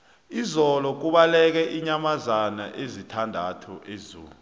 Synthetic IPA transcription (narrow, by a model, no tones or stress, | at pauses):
izɔlɔk̬uɓalɛk̬ɛʔiɲamazanaʔezitʰandʱatʰuʔezuːlu